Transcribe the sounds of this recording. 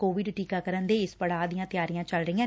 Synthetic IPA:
koːʋɪɖʈiːkaːkəɾənd̪eːɪspəɽaːd̪ijãːt̪ɪjaːɾijãːt͡ʃəlɾəijãː

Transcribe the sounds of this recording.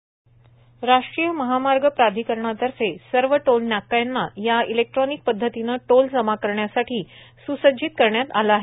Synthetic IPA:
ɾaʂʈɾijəməɦamaɾɡəpɾad̪ʱikəɾɳat̪əɾfesəɾʋəʈolnjakːajnːajailek̚ʈɾɔnik̚pəd̪ʱːət̪inəːʈold͡zəmakəɾɳjasaʈʰiː | susəd͡ʑiːt̪̚kəɾɳjat̪alaːɦe

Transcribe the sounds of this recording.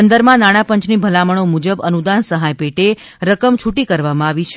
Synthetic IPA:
ənd̪əɾmãnaɽ̃ãpəɲt͡ʃnibʱəlaməɳ̃omud͡ʒəbənud̪ansəɦajpeʈe | ɾəkəmt͡ʃʰuʈikəɾʋamãaʋit͡ʃʰ

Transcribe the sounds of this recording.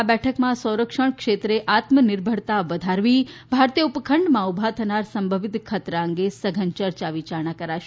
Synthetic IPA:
abɛʈʰəkmãsə̃wɾəkʃəɳ̃kʃet̪ɾeʔat̪mənɪɾbʱəɽt̪aʋəd̪ʱaɾʋibʱaɾt̪ijəupkʰəɳɖmãubʱat̪ʰənaɾsəmbʱəʋit̪kʰət̪ɾaə̃ŋɡesəɡʱənt͡ʃəɾt͡ʃaʋit͡ʃaɾñakəɾaʃ

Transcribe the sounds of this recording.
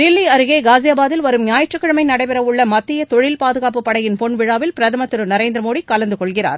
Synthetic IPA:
d̪ɪlːiɐɾɯɣeːɡaːzɪjaːbaːðɪlʋɐɾɯmnjaːjɐʈrɯkːɐɻɐmɐɪnɐɽɐɪpɛɾɐʋɯɭːɐmɐt̪ːɪjɐt̪ɔɻɪlpaːðɯɣaːpɯpːɐɽɐjɪnpɔɳʋɪɻaːʋɪlpɪɾɐðɐmɐt̪ːɪɾɯnɐɾeːnd̪ɾɐmoːɽikɐlɐnd̪ɯkɔɭɣɪra̰ːɾ

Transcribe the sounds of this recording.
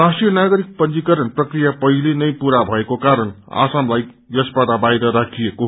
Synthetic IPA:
rasʈrijʌnaɡʌɾik̚pʌnd͡ʒikʌɾʌnprʌkrijapʌɦilenʌjpuɾabʱʌekokaɾʌna̰samlaj | jʌsbaʈʌbajɾʌɾakʰijeko

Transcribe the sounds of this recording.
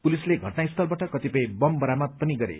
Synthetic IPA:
pulisleɡʱʌʈnaist̪ʰʌlbaʈʌkʌt̪ipʌj̃bʌmbʌɾamʌt̪̚pʌniɡʌɾḛ

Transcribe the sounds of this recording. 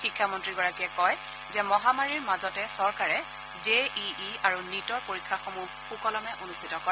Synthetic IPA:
xikʰːamɔntɹiɡɔɹakiɛkɔj | zɛmɔɦamaɹiɹmazɔtɛsɔɹkaɹɛ | zeiiaɹunitɔɹpoɹikʰːaxomu | xukɔlɔmɛʔonustʰitɔkɔɹɛ

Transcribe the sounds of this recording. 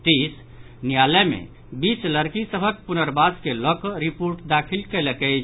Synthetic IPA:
t̪is | nijaləmḛ | bit͡ʃləɾkisəbʱək̚punəɾbaskelɔkɔɾipoɾʈd̪akʰilkelekɛt͡ʃ

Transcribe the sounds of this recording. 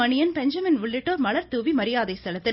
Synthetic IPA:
ɐnɪjɐnpɛɲd͡ʒɐmɪnʋʊɭːɪʈːoːɾmɐɭɐɾt̪uːʋimɐɾɪjaːðɐɪst̪ɐlɐt̪ːɪ

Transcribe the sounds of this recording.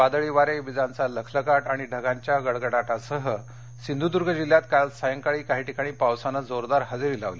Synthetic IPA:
ad̪əɭiʋaɾeʋid͡zãnt͡saləkʰləkaʈaɽ̃iɖʱəɡaɲt͡ɕjaɡəɭɡəɽaʈasəɦə | sind̪ʱud̪uɾɡʱəd͡ʑilːjat̪kalsəjəŋkaɭiːkaɦiːʈikaɽ̃iːpawsanːad͡zoɾd̪aɾɦəd͡ziɾilaʋli

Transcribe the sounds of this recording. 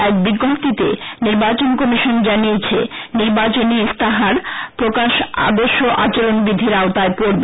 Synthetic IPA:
ɛk̚biɡopt̪it̪ḛniɾbat͡ɕonkɔmiʃond͡ʑanijet͡ɕʰḛniɾbat͡ɕonist̪aɦaɾpɾokaʃa̰d̪oɾʃːoʔat͡ɕaɾonbɾid̪ʱːiɾaot̪aepoɾbe

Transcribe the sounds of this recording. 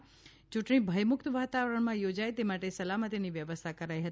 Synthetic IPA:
t͡ʃuʈɳ̃ĩbʱəjmʊkt̪ʋat̪aʋəɾəɳmãjod͡ʒajt̪emaʈesəlamət̪iniʋjəʋəst̪ʰakəɾajɦət̪

